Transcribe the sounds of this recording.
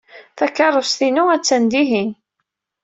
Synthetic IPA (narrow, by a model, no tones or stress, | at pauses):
θækːɑrˤosθinuæt͡sːænd̪iɦin